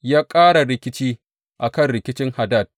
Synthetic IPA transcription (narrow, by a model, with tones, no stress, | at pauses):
jaː˦kʼaː˦ɽa˨ɾɪ˨kʲɪ˦t͡ʃiː˦ | ʔa˨kɐ˦nɽɪ˨kʲɪ˦t͡ʃɪ˦ŋha˨da˦˨t̚